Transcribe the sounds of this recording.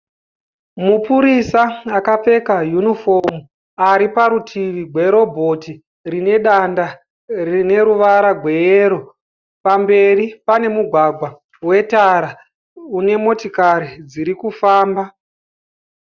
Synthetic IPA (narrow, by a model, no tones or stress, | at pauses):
mupuɾisaakap͡fe̞kajunifo̞mu | aɾipaɾutʰiʋiɡʱwe̞ɾo̞bʱo̞ti | rine̞ɗanda | rine̞ɾuʋaɾaɡʱwe̞eːɾo̞ | pambe̞ripane̞muɡʱwaɡʱwa | we̞taɾa | une̞mo̞tikaɾid͡ziɾikufaːmba